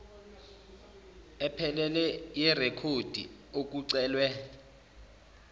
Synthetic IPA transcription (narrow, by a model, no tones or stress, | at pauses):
ɛpʰɛlɛlɛjɛrekʰod̥ʱḭ | ok̬uǀɛːlwɛ